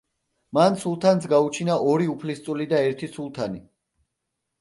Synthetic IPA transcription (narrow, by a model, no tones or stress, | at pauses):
mansulˠt̪ʰansʰɡaut͡ʃʰinaʔɔɾiupʰlist̪sʼulid̪aɛɾt̪ʰisulˠt̪ʰani